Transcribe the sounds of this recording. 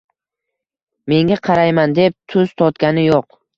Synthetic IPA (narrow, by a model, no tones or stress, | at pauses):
me̞ŋʲaqʰɑɾajmand̪e̞p̚t̪ʰʊz̥t̪ʰɒt̪ɡʲanɪjoq